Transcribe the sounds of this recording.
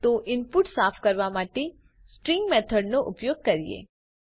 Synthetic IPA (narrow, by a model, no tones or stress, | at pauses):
t̪oʔɪmpuʈsafʰkəɾʋamaʈe | sʈɾɪŋɡmɛt̪ʰəɖnoʔʊpjoɡ̚kəɾijḛ